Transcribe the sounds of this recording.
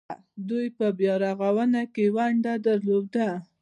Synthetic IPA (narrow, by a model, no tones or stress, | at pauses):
d̪ujpəbjɑɾaɣawənakewaɳɖad̪aɾlod̪a